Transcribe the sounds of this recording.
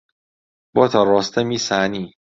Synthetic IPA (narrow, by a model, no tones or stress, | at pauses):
b̥ɔt̪ʰɒɾɔːst̪ʰemiːsæːniː